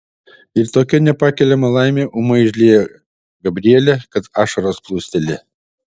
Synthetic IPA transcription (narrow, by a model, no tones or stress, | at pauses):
ɪɾt̪oːkʲɛnʲɛpɑːkʲɛlʲɛmɐlˠɑɪmʲeːʔʊmɐɪʒʲlʲeːjɛ | ɡɐbʲɾʲiɛlʲɛkɐt̪ɑːʃɐɾoːsplˠuːsʲt̪ʲɛlʲɪ